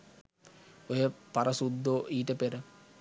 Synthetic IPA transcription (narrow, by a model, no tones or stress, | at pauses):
ojəpaɾɐsud̪ːoːʔiːʈəpeɾə